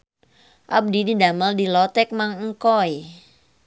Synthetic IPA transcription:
ʔab̚dididaməldilɔt̪ɛk̚maŋŋ̩kɔj

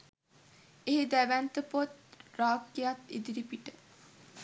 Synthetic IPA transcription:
eɦid̪æʋænt̪əpot̪raːkːejat̪ḭd̪iɾipiʈə

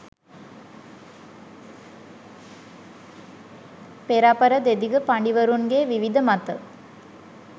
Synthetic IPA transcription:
peɾaːpɐɾɐd̪ed̪iɡəpaɳɖiʋɐɾunɡeːʋiʋid̪əmat̪ə

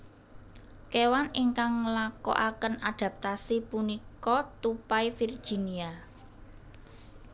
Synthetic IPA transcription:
kewaniŋkaŋlakɔ̰ʔakənaɖ̪̥a̤p̚t̪asipunikɔt̪upajfird̥ʒ̥i̤nia

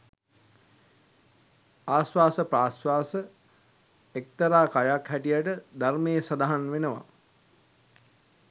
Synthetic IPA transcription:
aːsʋaːsəpɾaːsʋaːsə | ek̚t̪əɾaːkajakhæʈijaʈəd̪armejəsad̪aɦanʋenəʋa̰

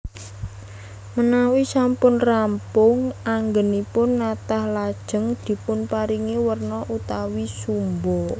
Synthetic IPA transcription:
mənawisampʊnrampʊŋaŋɡənipʊnːat̪ahlad̥ʒ̥ə̤ŋd̪̥i̤pʊnpaɾiŋiwərnɔʔut̪awisumbɔ

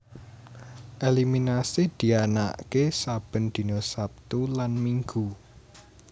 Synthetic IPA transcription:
ʔeliminasid̪̥i̤ana̰ʔkesab̥ə̤nd̪̥i̤nosap̚t̪ulanmiŋɡu

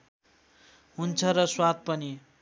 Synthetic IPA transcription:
ɦunt͡sʰʌɾʌswad̪̚pʌni

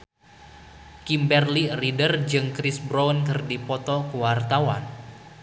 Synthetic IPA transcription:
kimbɛrliridərd͡ʒɨŋkɾisbɾɔnkɨrdipɔt̪ɔkuwart̪awa̰n

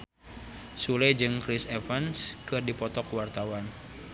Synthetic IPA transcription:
sulɛd͡ʒɨŋkɾisefanskɨrdipɔt̪ɔkwart̪awan

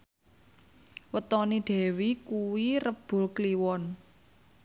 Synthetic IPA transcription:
wət̪ɔnid̥ɛ̤wikuwirəb̥ʊ̤lkliwɔn

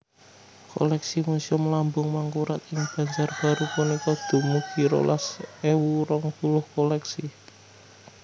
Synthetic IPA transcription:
ko̰lɛksimusiɔmlambʊŋmaŋkuɾat̪ɪŋb̥a̤ɲd͡ʒarb̥a̤ɾupunikɔd̪̥o̤muɡ̥i̤ɾo̰lʔasewuɾɔŋkulʊhkolɛksi

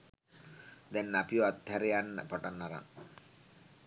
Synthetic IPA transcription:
d̪ɛnːapioat̪hɛɾejanːə̰paʈanːaɾa̰ŋ

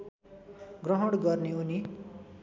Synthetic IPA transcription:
ɡrʌɦʌɽɡʌrneuni

